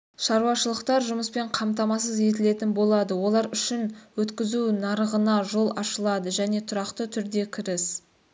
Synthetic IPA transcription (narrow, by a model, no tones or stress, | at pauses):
ʃɑɾuwɑʃəlˠəqt̪ɑɾʒʊməspe̞ɴqʰɑmt̪ɑmɑsəze̞t̪̬ɪle̞t̪ɪnbo̞lˠɑd̪əwo̞lˠɑɾʏʃɪnwɵt̪kʲɪzunɑɾəʁənɑʒo̞lˠɑʃəlˠɑd̪əʒæne̞t̪ʰʊɾɑqt̪ət̪ʰʏɾd̪e̞kʲʰɪɾɪs